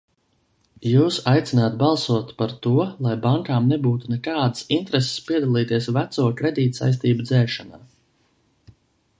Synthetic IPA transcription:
juːsajt̪sinaːt̪̚bɑlˠsuɔt̪paɾt̪uɔlˠajbaŋkaːmnɛbuːt̪unɛkaːd̪ɨsint̪ɾese̥spiɛd̪alˠiːt̪iɛsvæt̪suɔkɾed̪iːt̪sa̰js̬t̪iːbud̪zɛːʃana̰ː

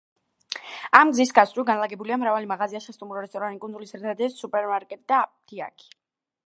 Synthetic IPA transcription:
amɡzisɡasɾuɡanlaɡɛbuliamɾavalimaʁaziaʃɛst̪ʼumɾɔɾɛst̪ʼɔɾanikʼund̪zulisɛɾt̪ʰad̪ɛsupʼɛɾmaɾkʼɛt̪ʼid̪at̪ʰia̰kʰi̥

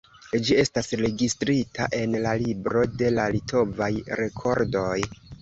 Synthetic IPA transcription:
d͡ʒie̞stasɾe̞ɡistɾitʰaʔe̞nlalibɾo̞de̞lalitʰo̞vajɾe̞kʰo̞ɾdo̞j

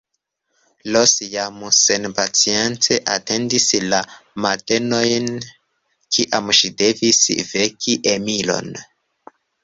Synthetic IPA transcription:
losjamusenpat͡sient͡se̞ʔate̞ndislamate̞no̞jn | kʰiʔamʃide̞visvekʰiʔemilo̞̰n

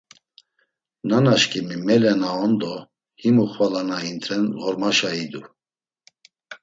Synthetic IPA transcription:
nanaʃkʰʼimimɛlɛnaɔnd̪ɔ | himuχwalanaint̪ʰɾɛnlɔɾmaʃaid̪u

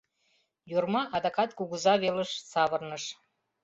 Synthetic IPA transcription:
jurmɑʔɑd̪ɑkɑt̪̚kuɣuzɑβeləʃsɑβərnəʃ

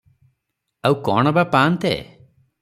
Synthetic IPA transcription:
awkɔɳ̃ɔbapaːnt̪ɛ̰

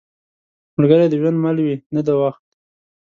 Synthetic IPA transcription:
məɾɡəɾad̪əwand̪malwinad̪awaxt̪

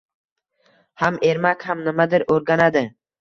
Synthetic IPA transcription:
hameɾmakʲhamnɪmad̪ɪɾoɾɡʲanad̪ɪ

